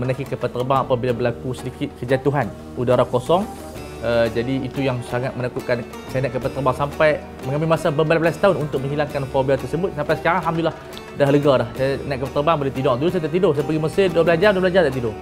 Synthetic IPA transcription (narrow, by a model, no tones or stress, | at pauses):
mənakikːəpət̪ərbaŋapabilabəlakusədikɪt̪̚kəd͡ʒat̪uɦan | udaɾakosɔŋ | əd͡ʒadiit̪ujaŋsaŋat̪̚mənakuʔkan | sajanaʔkəpət̪ərbaŋsampaj | mə̃ŋambimasabəblablast̪aʊnunt̪ʊk̚mə̃ŋɦilaŋkanfɔrbiat̪ərsəbʊt̪̚sampajsə̥kaɾãɦamdulilah | daɦləɡalahsajanajʔkəpət̪ərbaŋboleht̪idɔʔd̪ulusajat̪aʔt̪idosajapəɡiməsəduabəlasd͡ʒamduablasd͡ʒart̪aʔt̪̬ido